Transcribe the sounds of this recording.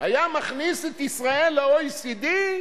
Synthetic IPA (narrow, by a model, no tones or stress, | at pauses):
hajamaχniset̪isʁaelːeojsid̪i